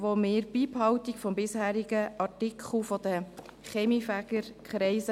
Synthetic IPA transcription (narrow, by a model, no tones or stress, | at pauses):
ʋomeːɾb̥iːphɑwt̪ikfɔmbɪshæːɾiɡəʔɑɹtɪkʰχl̩fɔd̪ə | χeːmifæɡ̥əɾkχɾɛɪsə